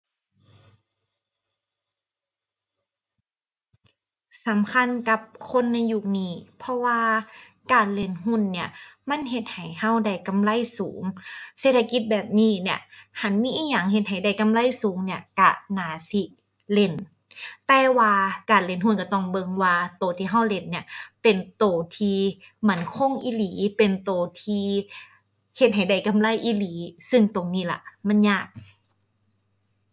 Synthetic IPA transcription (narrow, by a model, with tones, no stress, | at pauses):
sa˨˦mkʰa˧˥˨nka˧˦p̚kʰo˧˥˨nːa˧jːu˧k̚niː˧˩pʰɔ˧waː˧ | kaː˨˩nle˧˩˨nɦu˧˥˨nːi˧˩ɐma˧˥˨nɦe˧˦t̪̚ha˨˩jha˧˥˩wda˧˩jka˧˦˨mla˧˥˨jsuː˩˦ŋseː˧˦t̪ʰːa˧ki˧˦t̪̚bɛː˨˩p̚niː˧˥˩ni˧˩ɐha˧˩˦nmiː˧˥˨ʔiː˧˩k̚jaː˨˩ŋhe˧t̪̚ɦa˨˩jda˧˩jka˧˨mla˧˥˨jsuː˨˩˦ŋni˧˩ɐka̰˧˩naː˨˦si˧˦ | le˧˩n | t̪ɛː˧waː˧kaː˨˩nle˧˨nhɦu˧˥˨nka˧˩t̪ɔ˧˩ŋbɤ˧ŋwaː˧t̪oː˨˩t̪ʰiː˧ɦa˧˥˩wle˧˩nːi˧˩ɐpe˨nt̪oː˨˩t̪ʰiː˧ma˧˩˨nkʰo˧˥˨ŋʔiː˧˩liː˨˦pe˨nt̪oː˨˩t̪ʰiː˧ | he˧t̪̚ɦa˨˩jda˧˩jka˧˨mla˧˩˨jʔiː˧˩liː˨˩˦sɯ˧ŋt̪o˨˩ŋniː˧˩la̰˧˩ma˧˥˨nɲaː˧˩k̚